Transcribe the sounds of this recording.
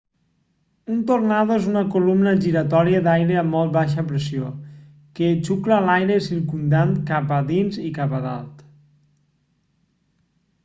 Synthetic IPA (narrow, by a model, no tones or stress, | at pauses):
unt̪ornaðoezunəkulumnəʒiɾət̪ɔɾiəd̪ajɾeəmːɔlˠt̪̚βaʃ̬əpɾesio | ket͡ʃukləːlajɾesiɾkund̪ankapəðinzikapəða̰lˠt̪